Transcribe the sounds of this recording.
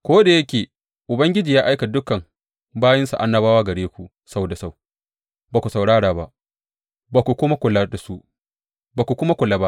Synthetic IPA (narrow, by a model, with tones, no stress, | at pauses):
kʷoː˦da˨jɐ˦kʲeː˨ | ʔʊ˨bɐ˦ŋɡʲɪ˦d͡ʒiː˨jaː˦ʔa˦jka˨dʊ˦kɐ˨ŋ | baː˦jɐ˦nsa̰˨ʔa˦nːɐ˦baː˦waː˦ɡɐ˨ɽeː˦kʷu˨ | sa˦wda˨sa˦˨w | ba˨kʷu˨sa˨wɽaː˦ɽaː˨ba̰˦ʔ | baː˨kʷu˨kʷʊ˦ma˦kʷʊ˨lːa˦da˨su˦ | baː˨kʷu˨kʷʊ˦ma˦kʷʊ˨lːa˦ba˦ʔ